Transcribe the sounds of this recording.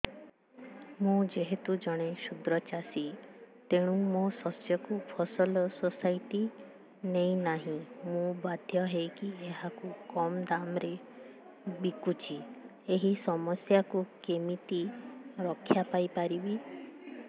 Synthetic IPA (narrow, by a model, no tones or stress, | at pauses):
mũd͡ʒeɦet̪ud͡ʒɔɽ̃esud̪ɾɔt͡ʃasit̪eɽ̃ũmosɔsjɔkupʰɔsɔlɔsɔsajʈi | nej̃naɦĩmũbad̪ʱjɔɦejkieɦakukɔmd̪amɾe | bikut͡ʃʰi | eɦisɔmɔsjakukemit̪iɾɔkʰːjapajpaɾibi